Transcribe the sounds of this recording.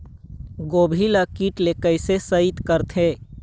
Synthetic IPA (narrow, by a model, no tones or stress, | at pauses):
ɡoːbʱiləkiʈlekəɪsesəit̪kəɾt̪ʰe